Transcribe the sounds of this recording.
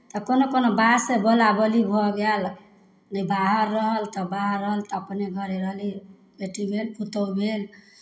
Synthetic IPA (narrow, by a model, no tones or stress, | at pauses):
t̪ɔkonokonobasebolabəlibʱɔɡel | nəbaɦəɾːəɦəlt̪ɔbaɦəɾːəɦəlt̪ɔːpneɡʱəɾeɾəɦli | beʈibʱelkut̪əwbʱel